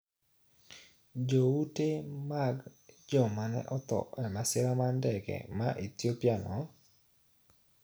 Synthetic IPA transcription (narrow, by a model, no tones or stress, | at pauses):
d͡ʒoutemaɡd͡ʒɔmanɛ̰ʔɔt̪ɔ̰ɛmasɪɾamandɛkɛ̰maʔet̪jopjanɔ